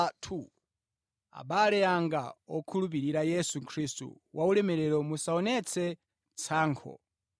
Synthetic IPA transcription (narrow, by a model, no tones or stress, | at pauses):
tʰu | a̰ɓalɛaŋɡa̰ɔkʰulup̬iɾiɾajɛsukʰɾistṵ | wʔaulɛmɛɾɛɾɔmusaɔnɛt͡sʰɛ | t͡sʰaːŋkʰɔ̰